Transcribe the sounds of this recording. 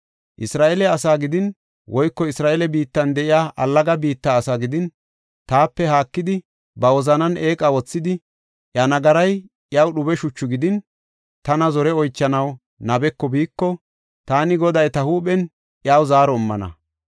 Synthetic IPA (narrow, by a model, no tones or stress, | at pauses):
ʔɪsɾaːʔɛlɛɐsaːɡɪd̪ɪn | wʔɔjkːɔɪsɾaːʔɛlɛbiːt̪ːɐnd̪ɛʔɪjaːʔɐlːɐɡɐbiːt̪ːaːsaɡɪd̪ɪn | t̪aːpːɛhaːkːɪd̪ɪ | bɐwɔzɐnɐnʔeːkʼawɔt͡sːɪd̪ɪ | ʔjanɐɡɐɾɐj | jaːwɗʊbɛʃʊt͡ʃːʊɡɪd̪ɪn | t̪ɐnɐzɔɾɛɔjt͡ʃːɐnɐw | nɐbɛkːɔbiːkːɔ | t̪aːnɪɡɔd̪ɐjt̪ɐhuːɓɛn | ʔjaːwzaːɾɔɪmːɐ̰nɐ̰